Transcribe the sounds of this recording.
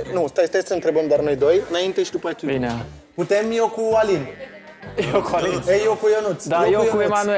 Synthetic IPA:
nust̪ajst̪ajsəɨnt̪ɾebəmd̪arnojd̪ojɨnaint̪eʃid̪upat̪ubin | put̪emjokualin | okuaiejowkujonut̪sd̪ajeujoemanue

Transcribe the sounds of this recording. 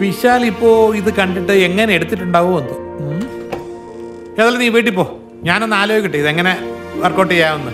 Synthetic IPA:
piɕaːlipːo̞ːiðɨkɐɳɖiʈːɨe̞ŋːɐneeɽut̪ːiʈːuɳɖaːʋoɐnd̪o | eːðɐlːɐniːʋeːjʈ̬ːipːo̞ː | ɲaːnonːaːloːkʲːiʈːɨiðɨeŋːɐne̞ʋɐrkoːʈːijjaːʋunːɐðɨ

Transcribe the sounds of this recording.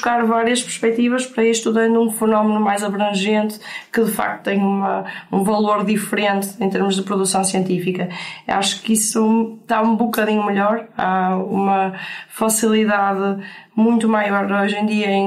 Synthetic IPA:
ʃkaɾvaɾiɐʃpɨɾʃpɛk̚t̪ivɐʃpɐɾɐiʃt̪uðɐ̃nd̪uũfɨnɔmnumajzɐβɾɐ̃ʒẽnt̪kɨðɨfa̰k̚t̪u̥t̪ẽj̃umɐũvɐlˠoɾðifɨɾẽnt̪ɨẽt̪eɾmʊʒðɨpɾuðusɐ̃w̃siẽnt̪ifikɐa̰ʃu̥kisut̪aũbukɐðiɲumɨʎɔɾaumɐfɐsilˠiðaðɨmũj̃t̪umajɔɾojʒẽd̪iɐẽ

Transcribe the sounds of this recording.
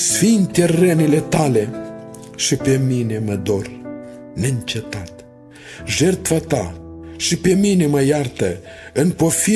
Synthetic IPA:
sfint̪erənile̞t̪ale̞ | ʃipe̞mine̞məd̪o̞r | neɨnt͡ʃet̪at̪ | ʒert̪fat̪aʃipe̞mine̞məjart̪əɨnpofi

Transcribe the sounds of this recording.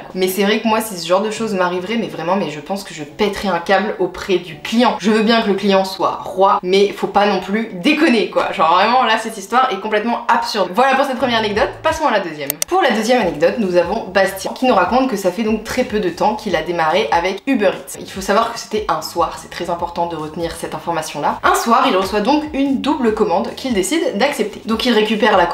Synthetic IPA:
mɛsɛvʁɛkəmwasisəʒɑ̃ʁd̪əʃozmaʁivʁɛmɛvʁɛmɑ̃mɛʒəpɑ̃skəʒəpɛt̪χɛɛ̃kablopχɛd̪yklijɑ̃ʒəvøbjɛ̃kələklijɑ̃swa̰ʁwamɛfopanɔ̃plyd̪ekɔnekwa̰ʒɑ̃ʁvʁɛmɑ̃lasɛt̪ist̪waʁɛkɔ̃plɛt̪mɑ̃apsyʁd̪vwalapuʁsɛt̪̚pχəmjɛʁanɛɡ̚d̪ɔt̪pasɔ̃alad̪øzjɛmpuʁlad̪øzjɛmanɛɡ̚d̪ɔt̪nuzavɔ̃bast̪jɛ̃kʲinuʁakɔ̃t̪kəsafɛd̪ɔ̃k̚t̪χɛpød̪ət̪ɑ̃kʰʲilad̪emaʁeʔavɛkybœʁit̪ḭlfosavwaʁkə̥se̥t̪ɛɛ̃swaːʁsɛ̥t̪χɛzɛ̃pɔʁt̪ɑ̃d̪əʁət̪niʁsɛt̪ɛ̃fɔʁmasjɔ̃laɛ̃swaʁilʁəswad̪ɔ̃kynd̪ubləkɔmɑ̃d̪kʰʲild̪esid̪ːaksɛp̚t̪ʰe̥d̪ɔ̃kilʁekʲypɛʁlak

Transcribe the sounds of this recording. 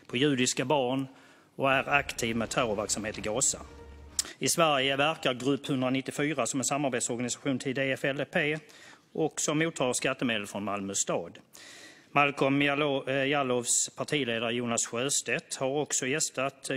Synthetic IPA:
pʰɔjʉ̟ːd̪ɪskabɑːɳ | ɔæɾakt̪ʰiːvmɛt̪ʰœːɾɔvæɾksamheːt̪ɪɡɑːsa̰ | ɪsvæɾjəvæɾkaɾɡɾɵpːhɵnd̪ɾanɪt̪ːɪfyːɾasɔmɛnsamːaɾbeːt̪sɔɾɡanɪsḁɧuːnt̪ʰɪld̪eːɛfɛlpʰeː | ʔɔksɔmːuːt̪ʰːɑːskat̪ːəmeːd̪əlfɾɔnmalmɵst̪ɑːd̪ | malkɔmjalɔvspʰaʈʰiːleːd̪aɾəjuːnasɧøːst̪et̪haɾɔksɔjɛst̪at̪

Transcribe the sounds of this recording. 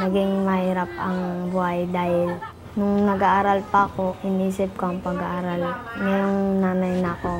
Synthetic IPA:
nɐɡɪŋmɐhiːɾap̚ɐŋbʊhajd̪aːhɪl | nʊŋnɐɡaʔaːɾalpɐːko̞ʔɪniːsɪp̚koɐŋpɐɡaʔaːɾalŋɐjoŋnaːnɐjnɐko̞

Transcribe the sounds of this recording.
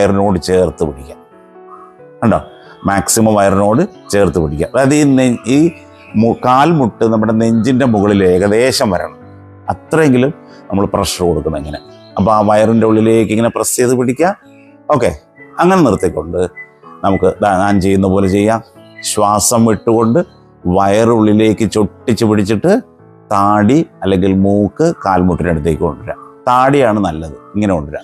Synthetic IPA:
jɐrino̞ːɽɨt͡ɕe̞ːrt̪ːɨpiɽikʲːa | eɳɖo̰ː | maːksimɐmʋɐjɐrino̞ːɽɨt͡ɕe̞ːrt̪ːupiɽikʲːa̰mɐðiniː | mukaːlmuʈːɨnɐmːuɽene̞ɲd͡ʑinde̞muɣɐɭile̞ːkːɐd̪e̞ːɕɐmʋɐɾɐ̰ɳɐm | ɐt̪rɐeŋɡilum | nɐmːɐɭprɐʂɳɐko̞ɽukːunːɐeŋːɐne̞̰ | ɐp̬ːoːaːʋɐjɐrinde̞uɭːile̞ːkːiŋːɐneprɐsiðupiɽikʲːaː | o̞ːkːe̞̰ | ɐŋːɐnenirt̪ːikʲːo̞ɳɖɨnɐmukːɨd̪aɲaːnt͡ɕe̞jːunːɐpo̞ːle̞t͡ɕe̞jːaːmɕwaːsɐmʋiʈːuɣo̞ɳɖɨ | ʋɐjɐrɨuɭːile̞ːkːɨt͡ɕoʈːit͡ɕːɨpiɽit͡ɕːiʈːɨ | t̪aːɽiɐlːe̞ŋɡilmuːkːɨkaːlmuʈːineɽut̪ːeːkʲːiko̞̰ɳɖiɾa̰t̪aːɽijaːɳɨnɐlːɐðɨiŋːɐneko̞ɳɖiɾa̰

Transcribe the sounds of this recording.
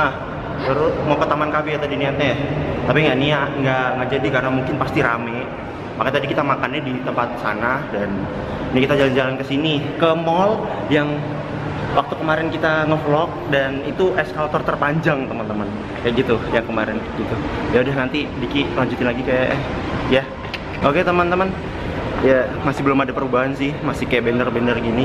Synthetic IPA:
ah | t̪əɾʊt̪̚makət̪amankabɪat̪adiniat̪̚ɲat̪apiŋɡaniaʔŋɡaŋɡad͡ʒadikarnamuŋkɪnpast̪iɾamɛ | makat̪adikit̪amakanːɛdit̪əmpat̪̚sa̰nahdan | nikit̪ad͡ʒaland͡ʒalankəsinikəmɔljaŋ | wak̚t̪ukəmaɾɪnkit̪aŋəflɔk̚danit̪uʔɛskalt̪ɔrt̪ərpaɲd͡ʒaŋt̪əmənt̪əmən | kajaʔɡit̪ujaŋkəmaɾɪnɡit̪ujaudahnant̪idikikəlaɲd͡ʒut̪ɪnlaɡikaja̰ʔja | oket̪əmənt̪əmən | jamasɪhbəlʊmadapəɾubaɦansɪhmasɪhkajaʔbenərbendərɡini

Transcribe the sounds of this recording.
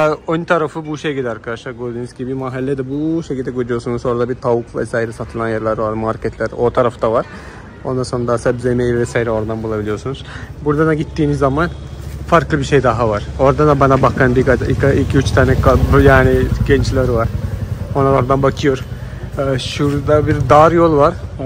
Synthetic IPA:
aont̪ʰaɾafɯbuʃejɟild̪ɛaɾkʰad̪aʃlˠaɾɡoɾd̪inuzɡibibimaɦalʲːɛd̪ɛbuʃecʰilʲd̪ɛɡojd̪ujo̞sunuzo̞ɾad̪abit̪ʰavukvɛ̰saːjiɾɛsat̪ʰɯlˠanjaɾlˠaɾvaɾmaɾcʰɛt̪lʲæɾo̞t̪ʰaɾaft̪ʰavaɾ̥ | o̞nd̪ansoɾad̪asɛbzemejvɛsaːjiɾɛo̞ɾd̪anbulˠabilʲijosunuz̥buɾd̪ad̪aɟit̪ʰːiːmizːamanfaɾklˠɯbiʃe̞jd̪aɦavaɾ̥o̞ɾd̪ad̪abanabakʰaɾɯmbikaikaicʰiyt͡ʃt̪ʰaːnɛkʰabjaːniɟɛnt͡ʃlʲˠaɾɯvaɾ̥onalˠaɾd̪anbakʰɯjo̞ɾ | ʃuɾd̪abiɾd̪aɾjolˠvaɾ

